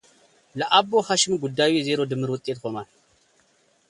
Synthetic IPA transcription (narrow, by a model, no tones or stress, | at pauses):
lɐʔabːohaʃɪmɡud̪ːawizeɾo̞d̪ɨmːɨɾwɔt̪ʼːet̪kʰoman